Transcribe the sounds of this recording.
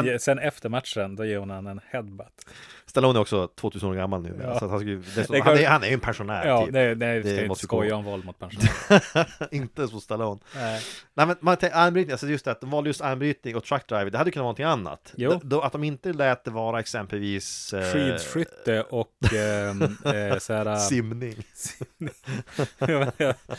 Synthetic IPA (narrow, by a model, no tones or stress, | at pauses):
ɛsɛnɛft̪əɾmat̪ʂənd̪ɔjeːɾhʊnanɛnhɛd̪bat̪st̪alɔːnæɾɔksɔt̪ʰvoːt̪ʉːsənoːɾɡamːalnʉ̰ːmḛːɾasat̪hanskajʏd̪ɛhaɛɾjhanæɾjɵɛnpʰɛnʂʊnæ̰ːɾʰyːp̪ɛnɛɪd̪ɛmɔst̪ɔjːaɛnvɔld̪mʊt̪pʰɛnʊn | ɪnt̪əsɔst̪alɔnnɛɪmɛnmant̪ʰɛanbɾyːt̪ɪŋalsɔjɵst̪d̪ɛæɾat̪d̪ɔmvɑːləjɵst̪anbɾyːt̪nɪŋɔk̚t̪ʰɾaktd̪ɾaɪvədɖɛhad̪əjʏkɵnavɑnɔt̪ʰɪŋanːa̰t̪ːd̪ɔat̪d̪ɔmɪnt̪əlɛːt̪ːəvɑːɾaɛksɛmpəlviːsfiːd̪ɧʏt̪ːəʔɔkː | shæːɾasɪmnɪŋ